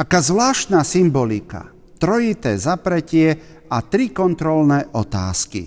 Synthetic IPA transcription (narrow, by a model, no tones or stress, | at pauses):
akaːzʋlaːʃt̪nasimbɔlika̰ | t̪ɾɔjit̪ɛːzapɾɛcɪɛ | at̪ɾikɔnt̪ɾɔlnɛʔɔt̪a̰ːskḭ